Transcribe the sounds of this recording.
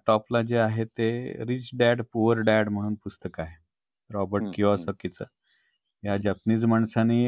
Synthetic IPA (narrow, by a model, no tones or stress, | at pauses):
ʈɔplad͡ʑeaɦet̪eɾit͡ɕɖaɽpuʋəɾɖaɽm̤əɽ̃uːnpust̪əkaɦe | ɾɔbəɾʈ̚kiʋasəkit͡sə | jad͡ʑat̪niːt͡smaɳsani